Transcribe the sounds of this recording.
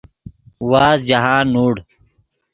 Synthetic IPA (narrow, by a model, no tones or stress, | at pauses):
waːzd͡ʑaɦãːnːuːɽ